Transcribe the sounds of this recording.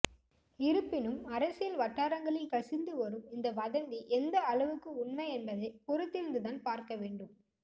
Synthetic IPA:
ɪɾɯpːɪnɯmɐɾɐsɪjɪlʋɐʈːaːɾɐŋɡɐɭɪlkɐsɪnd̪ɯʋɐɾɯmɪnd̪ɐʋɐðɐnɡ̪iʔɛnd̪ɐːɭɐʋɯkːɯʊɳmɐɪɛnbɐðɐpɔɾɯt̪ːɪɾɯnd̪ɯðaːnpaːɾkɐʋeːɳɖɯm

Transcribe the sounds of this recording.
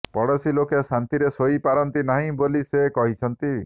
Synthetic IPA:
pɔɽɔsilokesant̪iɾesoipaɾɔnt̪inaɦĩbolisekɔɦit͡ʃʰɔnt̪i

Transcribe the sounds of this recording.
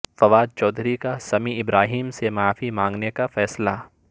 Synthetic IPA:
fɐʋaːd̪̚t͡ʃɔːd̪ʱɾikasɐmiɪbɾaːɦiːmsemaːfimãːŋɡnekafɛːsla

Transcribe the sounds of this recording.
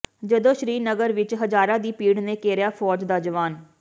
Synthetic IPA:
d͡ʒəd̪õːʃɾiːnəɡəɾʋɪt͡ʃɦəzaːɾãːd̪iːpiːɽnẽːkɛːɾjaːfʰɔːd͡ʒd̪aːd͡ʒəʋaːn

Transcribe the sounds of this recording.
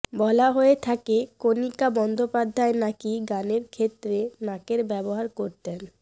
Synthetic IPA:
bɔlaɦoet̪ʰakekonikabɔnd̪ʱopad̪ʱːaenakiɡaneɾkʰet̪ːɾenãkeɾbɛboɦaɾkoɾt̪en

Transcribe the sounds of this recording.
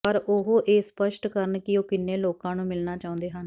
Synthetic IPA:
pəɾʊɦoːʔeːspəʃʈkəɾənkɪoːkɪnːeːloːkãːnũːmɪlnaːt͡ʃaːʊ̃nd̪eːɦən

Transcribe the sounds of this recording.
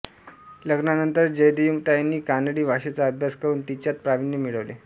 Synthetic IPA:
ləɡnanənt̪əɾd͡ʑəjd̪ijumt̪ajanːiːkanəɽiːʋʱaɕet͡saəbʱjaskəɾuːnt̪it͡ɕjat̪̚pɾaʋinjəmiɭəʋle

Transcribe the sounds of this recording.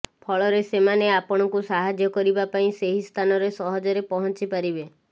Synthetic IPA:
pʰɔɭɔɾesemaneapɔɽ̃ɔkusaɦad͡ʒjɔkɔɾibapaĩseɦist̪ʰanɔɾesɔɦɔd͡ʒɔɾepɔɦɔ̃nt͡ʃipaɾibe

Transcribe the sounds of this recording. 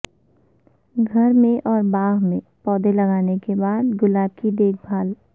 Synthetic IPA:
ɡʱɐɾmẽʔɔːɾbaːɦmẽ | pɔːd̪elɐɡaːnekebaːd̪ɡʊlaːb̚kid̪eːk̚ʰbʱaːl

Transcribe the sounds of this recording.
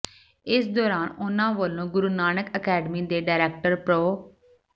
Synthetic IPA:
ɪsd̪ɔːɾaːnʊnãːʋoːlõːɡʊɾuːnaːnəkəkɛːɖəmiːd̪eːɖaːɪɾɛːk̚ʈəɾpɾoː

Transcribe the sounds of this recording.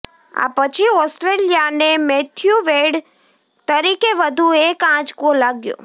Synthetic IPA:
a̰pət͡ʃʰiɔsʈɾelijanemɛt̪ʰjuʋeɽ | t̪əɾikeʋəd̪ʱuekãd͡ʒkolaɡjo̰

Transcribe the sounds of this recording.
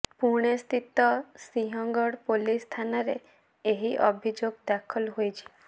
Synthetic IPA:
puɾɳ̃est̪ʰit̪ɔsiɦɔŋɡɔɽpolist̪ʰanɔɾe | eɦiʔɔbʱid͡ʒoɡd̪akʰɔlɦojt͡ʃʰi̥

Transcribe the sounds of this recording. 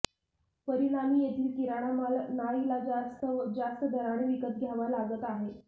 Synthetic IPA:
pəɾiɽ̃amiːjet̪ʰiːlkiɾaɽ̃amalnailast̪d͡zast̪əd̪ʱəɾaɽ̃eʋikət̪̚ɡʱjaʋalaɡət̪aɦe

